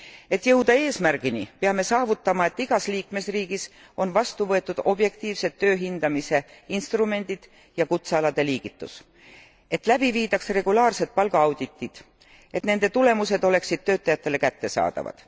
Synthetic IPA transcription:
e̞t̪ːˑjɤwd̪ɑe̞ːsmærɡ̥inipeɑme̞sɑːvut̪ːˑɑmɑe̞t̪ːˑiɡ̥ɑsliːkme̞sriːɡ̥is | o̞nvɑst̪uvɤ̞e̞t̪ːˑud̪̥o̞bje̞k̚t̪iːvse̞t̪ːø̞ːɦind̪̥ɑmise̞inst̪rume̞nʲd̪̥id̪̥ | jɑkut̪seɑlɑd̪̥e̞liːɡ̥it̪ːˑṵs | e̞t̪ːˑlæb̥iviːd̪ɑksre̞ɡ̥ulɑːrse̞t̪̚pɑlɡ̥ɑɑwd̪̥it̪ːˑid̪̥ | e̞t̪ne̞nd̪e̞t̪ule̞muse̞d̪o̞le̞ksid̪̥̚t̪ø̞ːt̪ːˑɑjɑt̪ːe̞le̞kæt̪ːe̞sɑ̰ːd̪̥ɑ̰vɑ̰d̪̥

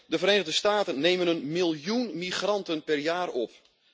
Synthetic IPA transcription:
dəvəreːnəɣdəstaːtənːeːmənənmilˠjunmiχrɑntənpɛrjaːrɔp

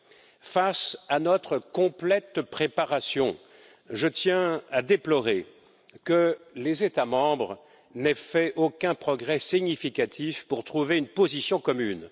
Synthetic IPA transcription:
fasanɔt̪χəkɔ̃plɛt̪pχepaʁasjɔ̃ | ʒət̪jɛ̃ad̪eplɔʁe | kəlezet̪amɑ̃bʁ | nɛfɛʔokʲɛ̃pχɔɡʁɛsiɲifikat̪ʰifpuʁt̪χuveynpozisjɔ̃kɔmyn

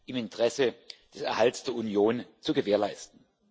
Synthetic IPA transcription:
ʔɪmɪntʁ̥ɛsəd̥ɛsɛɐhaltsd̥eːɐunjoːnt͡suɡəveːɐlaɪstn̩

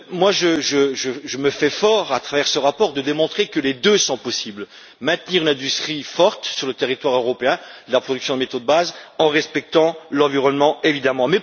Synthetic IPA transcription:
mwaʒəʒəʒəʒəməfɛfɔʁat̪χavɛʁsəʁapɔʁd̪əd̪emɔ̃t̪χekəled̪øsɔ̃pɔsibl | mɛ̃t̪niʁynɛ̃d̪yst̪χifɔʁt̪syʁlət̪eʁit̪waʁøʁɔpeɛ̃d̪əlapχɔd̪yksjɔ̃d̪əmet̪od̪əbazɑ̃ʁɛspɛk̚t̪ɑ̃lɑ̃viʁɔnmɑ̃evid̪amɑ̃mɛ

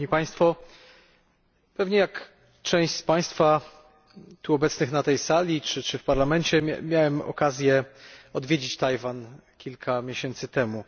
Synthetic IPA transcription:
ɲipaj̃st̪fɔ | pɛvɲɛjak | t͡ʂɛ̃w̃ɕspaj̃st̪fa | t̪uɔbɛt̪snɘxnat̪ɛjsalʲit͡ʂɘt͡ʂɘfpaɾlamɛnt͡ɕɛmʲjawɛmɔ̰kazʲjɛɔd̪vʲjed͡ʑit͡ɕt̪ajvankʲilkʰamʲjeɕɛnt̪sɘt̪ɛmu

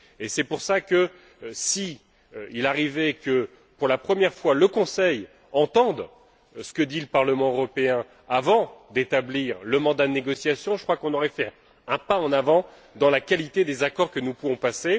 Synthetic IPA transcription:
esɛpuʁsakə | si | ilaʁivɛkə | puʁlapχəmjɛʁfwaləkɔ̃sɛj | ɑ̃t̪ɑ̃d̪ | sə̥kəd̪iləpaʁləmɑ̃øʁɔpeɛ̃ | avɑ̃d̪et̪abliʁləmɑ̃d̪ad̪əneɡɔsjasjɔ̃ʒəkχwakɔ̃nɔʁɛfɛ | ɛ̃paɑ̃navɑ̃ | d̪ɑ̃lakalit̪ed̪ezakɔʁkənupuvɔ̃pase

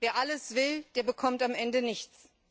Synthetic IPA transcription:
veːɐʔaləsv̥ɪld̥eːɐbəkʰɔmtamʔɛndənɪçt͡s

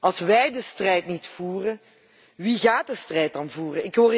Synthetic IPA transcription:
ɑlˠsʋɛjdəstrɛjtnitfuːrə | ʋiɣaːt̚dəstrɛjt̚dɑnvuːrənɪkɦoːr

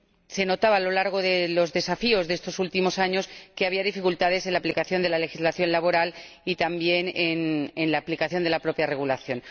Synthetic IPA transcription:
se̞no̞t̪aβaːlo̞laɾɣ̞o̞ðelo̞zðe̞safio̞zðee̞st̪o̞sult̪imo̞saɲo̞ske̞aβiaðifikult̪að̞e̞se̞nlaplikaθjo̞nd̪elale̞xizlaθjo̞nlaβ̞o̞ɾal | it̪ambje̞nenenlaːplikaθjo̞nd̪e̞lapɾo̞pjare̞ɣulaθjo̞n

